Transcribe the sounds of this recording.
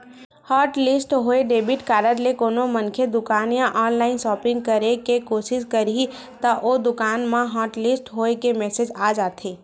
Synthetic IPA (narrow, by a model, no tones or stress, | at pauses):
hɔːɾʈlɪsʈɦoːeɖeːbɪʈkaːɾəɾlekoːnomɐ̃nkʰed̪ʊkaːnjãʔɔːnlaːɪnsɔːpɪ̃ŋɡ̚kɐɾekekoːʃɪʃkɐɾi | t̪ɐʔod̪ʊkaːnmãɦɔːʈlɪsʈɦoːekemɛːsed͡ʒaːd͡ʒaːt̪ʰeː